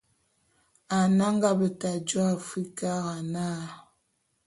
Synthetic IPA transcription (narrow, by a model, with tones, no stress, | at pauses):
a˨na˦ŋ˦ɡa˦bə˨ta˨d͡ʒo˦a˨fi˦ka˦ɣa˨na˦˨